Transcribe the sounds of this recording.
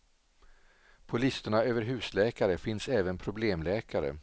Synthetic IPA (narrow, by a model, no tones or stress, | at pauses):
pʰʊlɪst̪əɳaøːvəɾɦʉ̟ːslɛːkaɾəfɪnsɛːvənpʰɾʊbleːmlɛːkʰaɾə̰